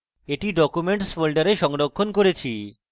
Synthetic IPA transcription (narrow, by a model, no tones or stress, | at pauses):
eʈiɖɔkumeɳʈsfolɖaɾeʃɔŋɾokʰːonkoɾet͡ɕʰi